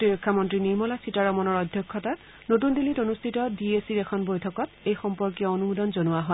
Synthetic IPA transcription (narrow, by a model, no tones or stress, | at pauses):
tiɹɔkʰːamɔntɹiniɹmɔlasitaɹɔmɔnɔɹɔdʱjɔkʰːɔta | not̬undilitonustʰitɔdiesiɹɛkʰɔnbojtʰɔkɔtejxɔmpɔɹkiɔonumudɔnzonuwaɦɔ